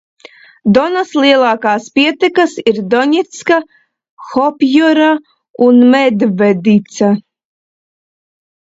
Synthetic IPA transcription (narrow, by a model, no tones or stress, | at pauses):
d̪ɔnaslˠiɛlˠɑːkaːspiɛt̪ɛkasiɾd̪ɔɲɛt̪ska | xɔpʲjɔɾa | unmɛd̪vɛd̪it̪sa